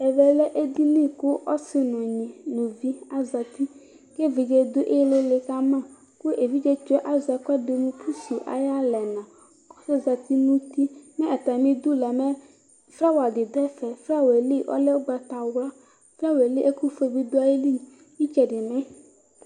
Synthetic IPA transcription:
ɛ˨vɛ˨lɛ˦ʔe˦d̪i˦nĩ˦kʊ˦ɔ˦sɪ˦nɔ̃˨ɲĩ˨nõ˨vi˦a˦za˨t̪i˦ | ke˦ve˨d͡ʒe˦d̪ʊ˦ʔe˦le˦le˨ka˦mã˦˨ | kʊ˦ʔe˨vi˦d͡ʒɛ˦t͡ʃɛ˦ʔa˦zɛ˨kɛ˦de˨nũ˦kʰu˦su˨ʔa̰˨ja˦lɛ˨nã˨ | kɔ˦sɔ˦za˨t̪i˦nũ˦t̪i˦mɛ̃˦ɛ˨t̪a˨mĩ˦d̪u˦lɛ˨mɛ˦ | fɾa˦wa˨dɪ˨d̪ɛ˦fɛ˨fɾa˦we˨li˦˨ʔɔ̰˦lɛ˦wo˦ɡ͡ba˨t̪a˨wla˦ | fɾa˦we˨li˦ʔe˦ku˦fe˦bi˦do˦a˨je˦li˦ | i˦t͡ʃɛ˨ɖɪ˨mɛ̃˦

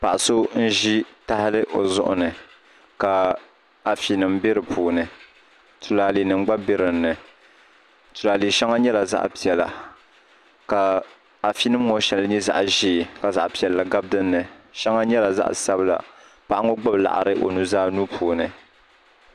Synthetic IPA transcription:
pa˨ʔa˨so˦n̩˦ʒi˦ta˦hɪ˦lɨ˦ʔo˨zʊ̰˦ʔʊ̰˨nɨ˨ | ka˨ | a˨fi˨nɨ˨mbɪ˦ɾɨ˨pʰuː˨nɨ˨ | tu˨laː˨li˨nɨ˨ŋ͡mɡ͡ba˦bɪ˦ɾɨ˨nːɨ˨ | tu˨laː˨li˨ʃɛ˦ŋa˦ɲɛ˦la˨za̰˦ʔpi˨ɛ˨la̰˨ | ka˨ | a˨fi˦nɨ˦m˦ŋo˨ʃɛ˨lɨ˦ɲɛ˦za̰˨ʔʒiː˦˨ka˨za˨ʔpi˨ɛ˨lla˨ɡa˦b̚dɨ˦nːɨ˨ʃɛ˦ŋa˦ɲɛ˦la˨za̰˦ʔsa˦bɨ˦la̰˨ | pa˦˨ʔa˦ŋo˦ɡ͡bʊ˦bla̰˨ʔa̰˨ɾɨ̰˦ʔo̰˨nu˦zaː˦nu˦pʰuː˨nɨ˨

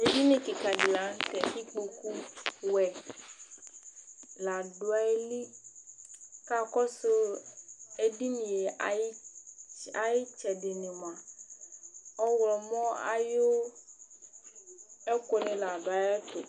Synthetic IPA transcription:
e˨bi˦nẽ˨ke˨ka˨ɖi˨la˨˦n˦t̪ɛ˨fi˦k͡po˨ku˦wɛ˨ | la˨ɖo˨˦a˦e˦li˦ | ka˦kɔ˦so˦ | e˨di˦nĩ˨je˨˦ | a˨ji˦t͡ʃɛ˨de˨ne˨mã˨ | ɔ˦wlɔ˨mɔ̃˦a̰˨jo˦ | e˦ko˨nẽ˨la˨ɖo˨a˨jɔ˦t̪o˨

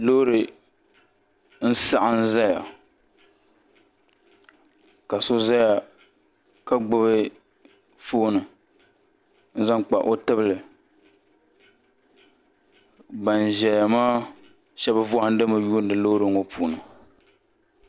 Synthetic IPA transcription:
lo˦ɾɨ˨ | n̩˦sa˦ʔa˦n˦za˦ja̰˨ | ka˨so˦za˦ja˨ | ka˦ɡ͡bʊ˦βɨ˦ | foː˦nɨ˨ | n̩˦za˦ŋ˦k͡pa̰˨ʔo˦tɨ˦bɨ˨lɨ˨ | ba˨n˨ʒɛ˨ja˨maː˦ | ʃɛ˦bɨ˦vɔ˦ha˦n̩˦dɨ˦ma˨ju˦n̩˦dɨ˨lo˦ɾɨ˨ŋ̩˦o˦pʰuː˨nɨ˨

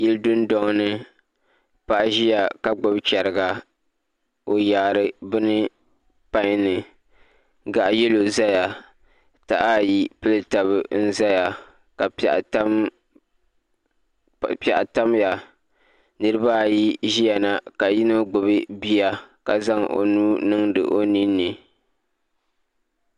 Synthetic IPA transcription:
ji˦ldɨ˦n˦dɔ˦ŋ˦nɨ˦ | pa˦ʔʒi˦ja˨ka˨ɡ͡bʊ˨bt͡ʃɛ˨ɾɨ˨ɡa˨ | o˨jaː˨ɾɨ˦bɨ˦nɨ˦ | pa˦ɲ˦nɨ˨ | ɡa˨ʔjɛ˦lo˨za˦ja˨ | ta̰˨ʔa˦ji˦pɨ˦lɨ˦ta˨bɨ˨n̩˦za˦ja˨ | ka̰˨ʔt | pa˨ʔa˨ta˦mja˨ | nɨ˦ɾɨ˦baː˦˨ji˦ʒi˦ja˨na˨ka˨ji˦no˦ɡ͡bʊ˨bɨ˦bi˦ja˦ka˨za˦ŋʔo̰˨nuː˦nɨ˦ŋdɨ̰˨ʔo˦ni˦nːɨ˨

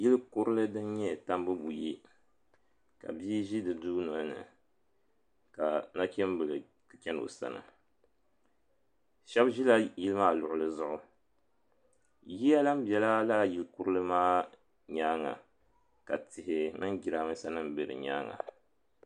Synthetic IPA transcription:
ji˦lɨ˦kʊ˦ɾɨ˦lɨ˦dɨ˦nɲɛ˦˨ta˦mbɨ˦bu˨ji˦ | ka̰˨biː˦ʒi˦dɨ˨duː˦nɔ˨lnɨ̰˨ | ka˨na˦kʲɛ˦m˦bɨ˨lɨ˨ | kɨ˨t͡ʃʲɛ˦n˨o̰˨sa̰˦nɨ̰˨ | ʃɛ˦bʒi˦la˦ji˦lɨ˦maː˦˨lʊ˨ʔʊ˨lɨ˦zʊ˦ʔʊ˦ | ji˦ja˦la˦m˦bjɛ˦la˦la˦˨ji˦lku˦ɾɨ˦lɨ˦maː˦ | ɲaː˦ŋa̰˨ | ka˨tɪ˨hɪ˨mɨ˦nɡi˨ɾa˨mɨ˦sa˦nɨ˦m˨bɨ˨ɾɨ̰˨ɲa̰ː˦ŋa̰˨

